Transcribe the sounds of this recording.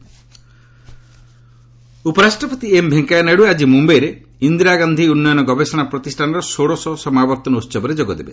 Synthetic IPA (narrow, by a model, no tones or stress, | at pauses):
upɔɾasʈɾɔpɔt̪iembʱeŋkaeneɽuead͡ʒimumbejɾe | ind̪ɾaɡand̪ʱiunːɔjɔnɔɡɔbesɔɽ̃apɾɔt̪isʈʰaɽ̃ɔɾɔsoɽɔsɔsɔmabɔɾt̪ɔnɔut̪ːt͡ʃɔbɔɾed͡ʒoɡɔd̪ebe